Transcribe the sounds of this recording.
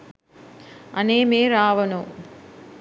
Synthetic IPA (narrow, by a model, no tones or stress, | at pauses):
ɐneːmeːɾaːʋɐnu